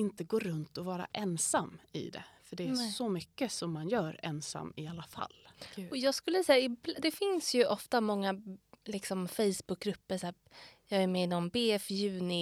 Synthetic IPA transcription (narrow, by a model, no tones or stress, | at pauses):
ɪnt̪əɡoːɾɵnt̪ɔvɑːɾa̰ʔɛnsamːɪ̰d̪ɛ̰fœɖɛːsɔmʏkːəsɔmːanjœːɾɛnsa̰mːɪalːafa̰lːɔjɑːɡskɵlːəsɛːaɪbld̪ɛfɪnsjɵʔɔft̪amɔŋːalɪksɔmfɛjsbɵk̚ɡɾɵpːəʂæː | jɑːɡæɾmɛɪnɔmbeːɛfjʉ̟ːnɪ